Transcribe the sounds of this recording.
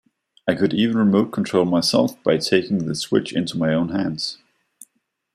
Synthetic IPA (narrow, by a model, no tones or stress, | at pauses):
aɪkɨɾiṽn̩ɹɨmoʊt̚kʰn̩tʰɹ̥oʊlˠmaɪsɛ̰lˠfb̥aɪtʰeɪkɪ̃ŋðɨswɪ̰t͡ʃɪ̰̃ntumaɪõʊ̃nɦæ̃ndz̥